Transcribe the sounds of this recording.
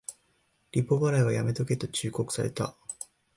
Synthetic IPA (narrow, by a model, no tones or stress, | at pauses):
ɾʲipːo̞baɾaiβajame̞t̪o̞ke̞t̪o̞t͡ɕɨːko̞kɯ̟̥saɾe̞̰t̪a̰